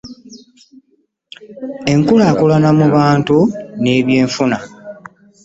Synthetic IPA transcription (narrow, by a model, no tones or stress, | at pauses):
e̞ŋkulaːkulanamuβaːntune̞ːβjeːɱfuna